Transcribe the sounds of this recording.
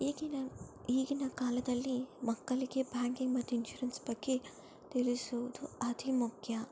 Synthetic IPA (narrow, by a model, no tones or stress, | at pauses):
iːɡinɐiːɡinɐkaːlɐd̪ɐlːimɐkːɐliɡebaːŋkiŋɡmɐt̪ːuinʃuːɾɐnsbɐɡːe | t̪ilisoʋd̪uɐd̪ʱimukʰjɐ